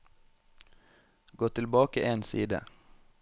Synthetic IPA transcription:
ɡoːt̪ʰɪlbɑːkəʔeːnsiːd̪ə̰

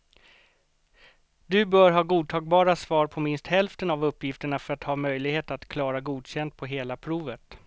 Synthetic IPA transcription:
d̪ɵbœːɾɦɑːɡuːd̪̚t̪ʰɑːɡ̚bɑːɾasvɑːɾpʰɔmɪnst̪hɛlft̪ənavɵpːjɪft̪əɳafœɾat̪hɑːmœjlɪɡheːt̪at̪kʰlɑːɾaɡuːd̪ɕɛnd̪̚pʰɔɦeːlapʰɾuːvət̪

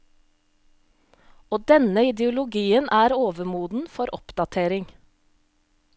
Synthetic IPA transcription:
oːd̪ɛnəɪd̪ɛʊlʊɡiːənʔæːɾoːʋəmuːd̪n̩fɔɾʔɔ̰pd̪̥ɑt̪ʰeːɾɪŋ

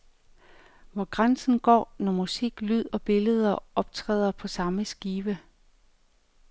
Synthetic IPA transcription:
ʋɒɡ̥ʁansn̩ɡ̥ɒ̰ːnɒmusiɡ̥lyð̞̰ˠɒ̽b̥e̝ləð̞ˠɐɒ̽b̥t͡sʰʁɛ̰ːð̞ˠɐpʰɒ̽sɑ̈məsɡ̥iːʋə

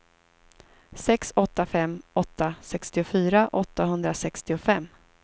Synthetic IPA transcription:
sɛksɔt̪ːafɛmːɔt̪ːasɛkst̪ɪʊfyːɾaʔɔt̪ːaɦɵnd̪ɾasɛkst̪ɪʊfɛmː

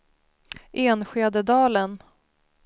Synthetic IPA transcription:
ʔeːnɧeːd̪əd̪ɑːlən

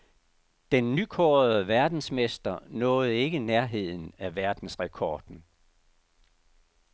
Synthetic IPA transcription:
d̥enːykʰɔːð̩ˠəʋæɐd̥n̩smesd̥ɐnɔ̽ːð̩ˠe̝ɡ̥əneɐɦe̝ð̞̰ˠn̩æʋæɐd̥n̩sʁɛkʰɒːd̥n̩

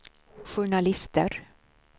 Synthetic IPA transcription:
ɧʊɳalɪst̪əɾ

